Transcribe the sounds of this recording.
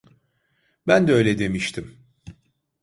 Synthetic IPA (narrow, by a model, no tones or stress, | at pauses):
bænd̪ɛøjlʲɛd̪e̞miʃt̪ʰim